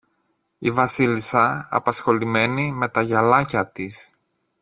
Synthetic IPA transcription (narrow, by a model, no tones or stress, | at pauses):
ivɐsilisɐɐ̰pɐsxo̞lime̞nime̞t̪ɐʝɐlɐcɐt̪is